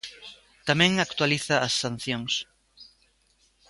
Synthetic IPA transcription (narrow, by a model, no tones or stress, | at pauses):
t̪amɛ̃ŋakt̪waliθɐːsːan̟θjoŋs